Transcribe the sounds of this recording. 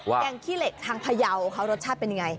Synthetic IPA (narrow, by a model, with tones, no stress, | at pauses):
wa˧˩ja˨˧˩ŋkʰiː˥˩le˨˩k̚t̪ʰaː˧ŋpʰa˧ja˧wkʰa˦˥wɾo˦˥t̪̚t͡ɕʰaː˥˩pe˧nja˧ŋa˧j